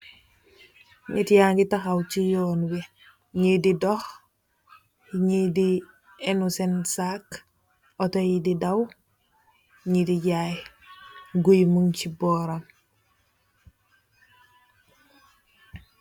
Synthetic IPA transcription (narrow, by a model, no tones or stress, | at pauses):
ɲitjaŋɡitaxawt͡ʃijoːnwi | ɲididox | iɲidi | enusensak | otojididaw | ɲidiɟaj | ɡujmuŋciboɾam